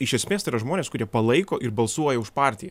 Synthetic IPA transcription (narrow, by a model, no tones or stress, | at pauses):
ɪʃʲɛsʲmʲeːst̪ɐɪːɾɐʒmoːnʲeːskʊɾʲiɛpɐlˠɐɪkoːʔɪɾbɐlˠsuɔjɛʊʃpɑːɾʲt̪ʲɪjɛ